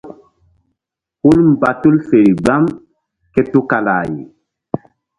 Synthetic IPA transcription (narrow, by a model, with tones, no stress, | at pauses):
hu˦lm˨ba˨tu˦lfe˨ɾi˨ɡ͡ba˦m | ke˦tu˦ka˨la̰˨jḭ˨